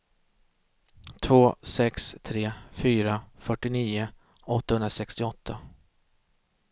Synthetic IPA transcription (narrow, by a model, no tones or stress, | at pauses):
t̪ʰvoːsɛkst̪ʰɾeːfyːɾafœʈːɪniːʊ | ɔt̪ːahɵnɾasɛkst̪ɪɔt̪ʰːa